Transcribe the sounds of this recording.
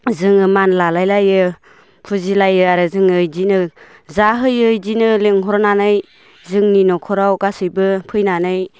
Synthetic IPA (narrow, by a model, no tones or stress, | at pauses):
zɯŋɯmanlalajlajɯ | pʰuzilajɯaɾɯzɯŋɯjdinɯ | zaɦɯjɯjdinɯleŋɦɔɾɔnanɯj | zɯŋninɔkʰɔɾawkasɯjbɯpʰɯjnanɯj